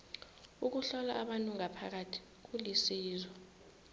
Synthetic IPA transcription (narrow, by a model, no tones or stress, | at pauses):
uk̬uɬɔlaʔːɓantʼuŋʱapʰa̰k̬atʰi̥ | k̬ulisiːzwɔ